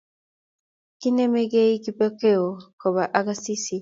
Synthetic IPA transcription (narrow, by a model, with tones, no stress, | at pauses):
ki˦ne˦me˦ɡe˦iki˦pe˦ke˦o˨ko˨βa˨ʔa˦ɡa˦si˦si˨